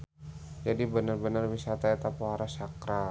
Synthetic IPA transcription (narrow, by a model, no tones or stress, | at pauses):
d͡ʒadibənərbənərwisat̪aet̪apoɦaɾasakɾa